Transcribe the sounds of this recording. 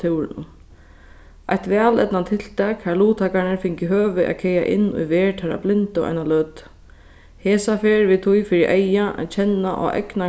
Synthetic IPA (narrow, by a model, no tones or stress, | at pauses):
t̪ʰɪwɾɪnʊ̰ | ajht̪ʋɛːlɛ̰t̪nant̪ʰɪl̥t̪ʰɛkhæluːt̪ʰaːkaɳɪɹfɪɲkɪɦøːʋɪʔa̰kʰɛja̰ʔɪ̰nːʊ̰jʋɛːɹʈʰaːɾa̰blɪnt̪ʊa̰jnalœt̪ | heːsafɛːɹʋɪt̪ʰʊjfɪɾɪʔɛjaʔa̰t͡ɕʰɛnːaʔɔ̰ʔɛ̰kna